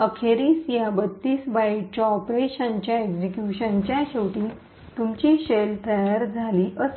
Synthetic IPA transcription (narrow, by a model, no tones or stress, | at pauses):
əkʰeɾiːsjabət̪ːiːsbajt͡ɕaɔpɾeɕãɲt͡ɕjaeɡd͡ʑikjuɕə̃ɲt͡ɕjaɕewʈiː | t̪umt͡ɕiɕelt̪əjaɾd͡zʱaliːʔəs